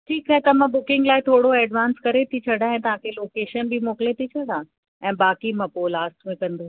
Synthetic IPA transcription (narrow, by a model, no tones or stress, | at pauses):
ʈʰiːkaɦet̪ɐmãbʊkɪ̃ŋɡlaːɦɪt̪ʰoːɽoɛːɖʋãːnskɐɾet̪ʰit͡ɕʰɐɽãːɛ̃ːt̪ɐʋ̤ãkʰeloːkeːʃənbʱimoːkɪlet̪ʰit͡ɕʰɐɽãː | ɛ̃ːbaːkimɐ̃poːlaːsʈmẽkɐ̃nd̪oː